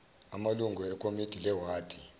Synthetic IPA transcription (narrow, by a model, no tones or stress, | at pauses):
amaluŋɡʱuɛkʼomid̥ʱilɛwaːd̥ʰʱʼi